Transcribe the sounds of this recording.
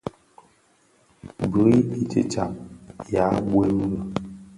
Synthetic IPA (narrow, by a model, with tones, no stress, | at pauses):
bə˨˦i˦i˦t͡ʃə̰˨t͡ʃa̰˨mja˨˦bwe˦m˦ə˨